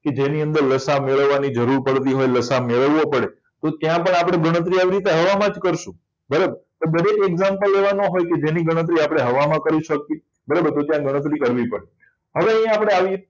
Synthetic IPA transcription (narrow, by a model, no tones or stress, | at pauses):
ked͡ʒeniənd̪əɾləsameɭəʋːanid͡ʒəɾuɾpəɽt̪iɦojləsameɭəʋːõpəɽe | t̪ot̪jãpəɳapɽ̃eɡəɽ̃ət̪̬ɾiaʋiɾit̪eɦəʋamãd͡ʒkəɾʃũ | bəɾəbəɾt̪obəɾekeɡzampəleʋanoɦojked͡ʒeniɡəɽ̃ət̪̬ɾiapɽ̃eɦəʋamãkəɾiʃək̚t̪i | bəɾabəɾt̪ot̪jãɡəɽ̃ət̪ɾikəɾʋipəɽe | ɦəʋeə̃ĩaapɽ̃eaʋi